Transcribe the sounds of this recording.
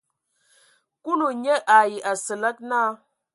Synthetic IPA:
ku˦nu˨ɲe˦ʔa˨ji˨ʔa˨sə˨la˦k̚na˦

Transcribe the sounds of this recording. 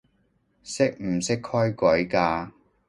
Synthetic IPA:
sɪ˥k̚m̩˨˩sɪ˥kʰhɔː˥jkʷɔ˨˥jkaː˧

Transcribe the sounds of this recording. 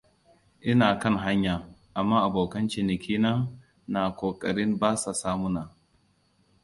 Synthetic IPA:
ʔɪ˦naː˨kɐ˦˨ŋɦa˦ɲjaː˨ʔa˨mːaː˦ʔa˨boː˨kɐ˦nt͡ʃɪ˨nɪ˨kʲʰiː˦naː˦ | na˨kʷoː˨kʼɐ˨ɽɪ˦mbaː˦sa˨saː˦mu˦na˨

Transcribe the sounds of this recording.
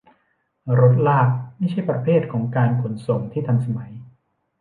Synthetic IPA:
ɾo˦˥t̪̬̚laː˥˩k̚ma˥˩jt͡ɕʰa˥˩jpɾa˧pʰeː˥˩t̪̚kʰɔː˩˦ŋkaː˧nkʰu˩˦nso˨˩ŋt̪ʰiː˥˩t̪ʰa˧nsa˧ma˩˦j

